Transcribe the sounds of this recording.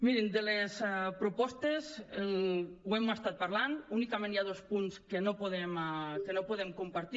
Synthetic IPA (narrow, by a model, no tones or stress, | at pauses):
miɾind̪elesɛpɾupɔst̪ez | wemast̪at̪̚paɾlanunikamẽnjaðospunskenopuðemkenopuðemkumpaɾt̪i